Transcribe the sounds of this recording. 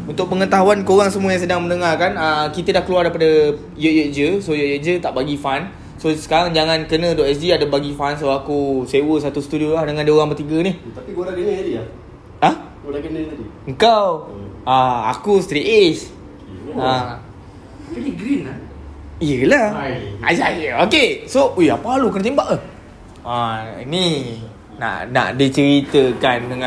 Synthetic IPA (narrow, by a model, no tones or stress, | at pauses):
unt̪ʊk̚pəŋət̪aɦuankoɾaŋsəmuəjãŋs̬ədaŋmənəŋarkanəkit̪ədahkəluardajpadə | jəʔjəʔd͡ʒəsojəʔjəʔd͡ʒət̪aʔbaɡifan | sosə̥kaɾaŋd͡ʒaŋãnkənə̃doʔɛsdiadəbaɡifans̬oakusewəsat̪ust̪udiolahdəŋãndəoɾaŋpərt̪iɡəniht̪apiɡoɾaɡənadi | ah | ɡoɾaɡənadiəŋkawaa̰kust̪ɾiʔes | a | kiɡɾina | ijəlaa̰jokesojapaalukənət̪imbaʔa | aḭni | na̰ʔna̰ʔdit͡ʃəɾit̪əkandəŋã